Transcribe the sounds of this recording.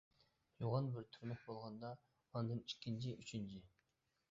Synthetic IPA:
juʁɑnbɪɾt̪ʰyɾnɪk̚bolˠʁɑnd̪ɑ | ond̪ɨni̥kʲʰːint͡ʃʰɪʔyt͡ʃʰint͡ʃʰɪ

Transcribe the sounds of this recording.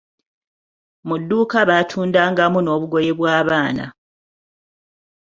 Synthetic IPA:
mudːuːkaβatʰuːndaːŋɡamuno̞ːβuɡo̞je̞βwaːβaːna̰

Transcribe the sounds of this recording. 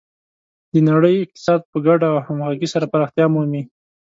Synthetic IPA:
d̪ənaɽəjɪq̚t̪ɪ̥sɑd̪̚pəɡaɖawhamɣɑɡisaɾapaɾɑxt̪jɑmumi

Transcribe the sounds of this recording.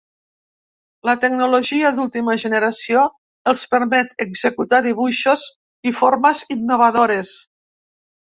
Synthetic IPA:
lət̪əɡ̚nuloʒiəðulˠt̪iməʒəneɾasio | əlˠspəɾmɛt̪eɡzekut̪aðiβuʃoz | ifoɾməzinːoβ̞əðoɾes

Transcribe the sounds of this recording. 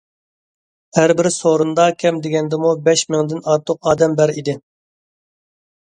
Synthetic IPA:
hæɾbɪɾsoɾund̪ɑkʲʰɛmd̪ɪɡʲɛnd̪ɪmubɛʃmɪŋd̪ɪnɑɾt̪ʰːʊqɑːd̪ɛmbæɾid̪ɪ

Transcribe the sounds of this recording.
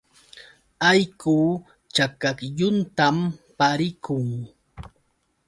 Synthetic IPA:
ajkuː | t͡ʃakakjʊnt̪ampaɾɪkʊŋ

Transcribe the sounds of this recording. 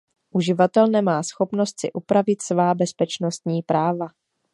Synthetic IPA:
ʔuʒɪvat̪ɛlnɛmaːsxo̞pno̞st̪sɪ̰ʔupɾavɪt̪svaːbɛspɛt͡ʃno̞st̪ɲiːpɾaːva

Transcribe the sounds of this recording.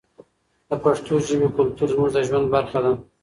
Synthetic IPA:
d̪əpaʂt̪oʒəbekʊlt̪uɾzmuʐd̪əʒwand̪̚baɾxad̪a

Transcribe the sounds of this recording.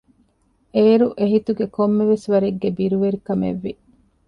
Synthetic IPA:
eːɾuʔeɦit̪uɡekomːeʋesʋɐɾeɡːebiɾuʋeɾikɐmḛʋːi

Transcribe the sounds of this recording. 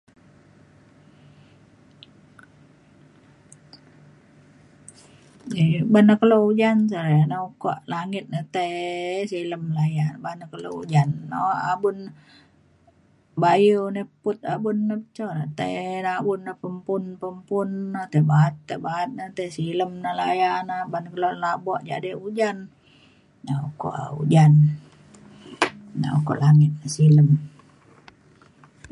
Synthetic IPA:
ibanəkəloud͡ʒansaɾenauko̰ʔlaŋɪt̪̚nət̪ajsiləmlajanbanəkəlo̰ud͡ʒanːoabʊn | bajunəpʊt̪̚abunːəpət͡ʃonat̪enabʊnːəpəmpʊnpəmpʊnnat̪ebat̪ːəbat̪̚nat̪esiləmnəlajanabanəkəlolabɔʔd͡ʒa̰diud͡ʒan | nauko̰ʔa̰ṵd͡ʒan | na̰ṵko̰ʔlaŋɪt̪̚nəsiləm

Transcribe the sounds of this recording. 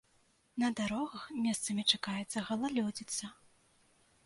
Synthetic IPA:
nɐd̪aɾɔɣɐxmʲɛst̪sɐmʲit͡ʂakajɛt̪sːɐɣɐlˠalʲɔd͡zʲit̪sːɐ

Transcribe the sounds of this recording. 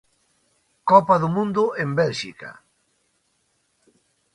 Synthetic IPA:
kɔpaðʊmũnd̪ʊembɛlʃikɐ̰

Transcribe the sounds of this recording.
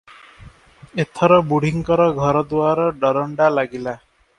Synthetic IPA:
et̪ʰɔɾɔbuɽ̤iŋkɔɾɔɡʱɔɾɔd̪uaɾɔɖɔɾɔɳɖalaɡila

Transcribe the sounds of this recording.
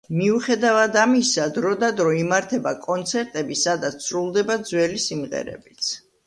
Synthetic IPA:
miuχɛd̪avad̪amisad̪ɾɔd̪ad̪ɾɔimaɾt̪ʰɛbakʼɔnt̪sʰɛɾt̪ʼɛbisad̪at̪ssɾulˠd̪ɛbad̪zwɛlisimʁɛ̰ɾɛ̰bit̪sʰ

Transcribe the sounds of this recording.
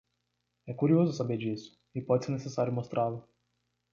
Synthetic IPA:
ɛkuɾiozʊsabed͡ʒisʊ̥ | ipɔd̪ʲsɪnesesaɾjʊmost̪ɾʔavɐ

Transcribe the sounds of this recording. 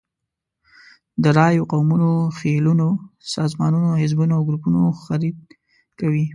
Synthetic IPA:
d̪əɾɑjoqawmunoxelunosɑzmɑnunoɦɪzbunoawɡɾupunoxaɾid̪̚ | kawi

